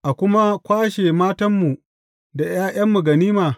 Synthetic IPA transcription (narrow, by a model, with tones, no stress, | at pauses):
ʔa˨kʷʊ˦ma˦kʷaː˦ʃeː˨maː˦tɐ˦mːu˨ | da˨j̰aː˦ʔɐ˦mːu˨ɡɐ˨niː˦maː˨